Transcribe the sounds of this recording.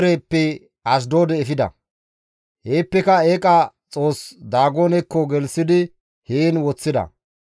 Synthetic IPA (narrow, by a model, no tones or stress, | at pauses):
ɾeːpːɛ | ɐs̬d̪oːd̪ɛːfɪd̪ɐ̰ | heːpːɛkɐeːkʼɐt͡sʼo̞ːsd̪aːɡoːnɛkːɔɡɛlsɪd̪ɪ | heːnwɔt͡sːɪd̪ɐ̰